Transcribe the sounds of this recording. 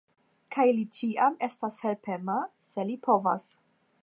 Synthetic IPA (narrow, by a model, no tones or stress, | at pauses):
kʰajlit͡ʃiʔame̞stashe̞lpe̞mase̞lipʰo̞va̰s